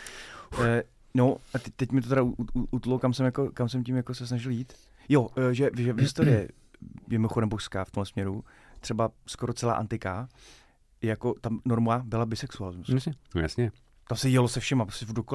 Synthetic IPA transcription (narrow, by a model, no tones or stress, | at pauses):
noʔat̪ɛt̪ɛcmɪt̪ot̪ɛɾaʔut̪lokamsɛmjakokamsɛmcimjakosɛs̬naʒɪljiːt̪ | joʒɛvʒɛvɦɪst̪oɾɪjɛ̰ | mɪmoxodɛmpoʃskaːft̪omɦlɛsmɲɛɾu | t̪r̝̥ɛbaskoɾott͡sɛla̰ːʔa̰nt̪ɪkaː | jakot̪amnoɾmabɪlabɪsɛksualɪzmusasɲɛja̰sɲɛ | t̪amsɛjɛlosɛfʃɛmapɾoscɛvdoko